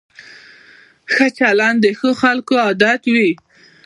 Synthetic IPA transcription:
xət͡ʃaland̪əxəxalkoɑd̪at̪wi

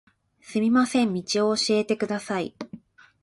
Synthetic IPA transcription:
sɨmʲimasẽ̞mːʲit͡ɕio̞ːɕie̞t̪e̞kɯ̟d̪asaḭ

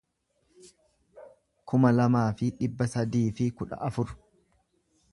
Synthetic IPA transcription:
kʊmɐlɐmaːfɪᶑɪbːɐsɐd̪iːfɪkʊᶑɐ̰ʔɐfʊɾ

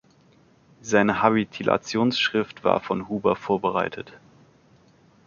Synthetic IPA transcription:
zaɪnəhabitʰilʔa̰t͡sjoːnsʃʁ̥ɪftv̥a̰ːɐfɔnhuːbɐfoːɐbəʁaɪtʰət

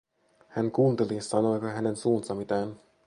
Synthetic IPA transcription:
hæŋkuːnt̪elisːɑnolkɑɦænensuːnt̪ɑmit̪æːn

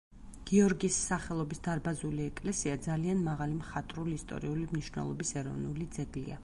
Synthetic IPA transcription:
ɡ̥iɔɾɡisːaχɛlˠɔbisd̪aɾbazuliɛkʼlɛsiad̪zalianmaʁalimχat̪ʼɾulist̪ʼɔ̰ɾiulimniʃnɛ̰lˠɔ̰bisɛɾɔ̰vnulid̪zɛɡlḭa̰

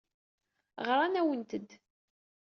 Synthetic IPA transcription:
ʁɾˤanæwənt̪əd̪

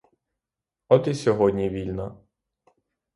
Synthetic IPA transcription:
ɔt̪isʲɔɦɔdʲnʲiʋʲilʲnɐ

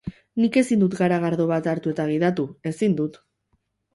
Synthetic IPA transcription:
nike̞sind̪ut̪ɡaɾaɣaɾðo̞β̞at̪aɾt̪ue̞t̪aɣ̞iðat̪ue̞sind̪ut̪

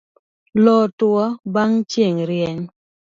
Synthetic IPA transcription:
lɔtwɔbaŋt͡ʃjeŋɾjɛɲ

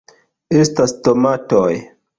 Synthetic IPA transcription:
e̞stastomatoj

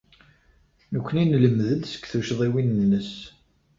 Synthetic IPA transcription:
nəkʷːəninləmðənsə̥kːθuʃðˤiwinənːəs

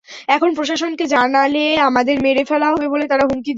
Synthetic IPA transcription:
ɛkʰonpɾoʃ̬aʃonked͡ʑanaleamad̪eɾmeɾefɛlaɦɔbebolet̪aɾaɦumkid̪

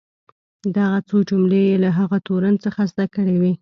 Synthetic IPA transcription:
d̪aɣat͡sod͡ʒʊmlejelaɦaɣat̪oɾant͡səxazd̪akəɽewi

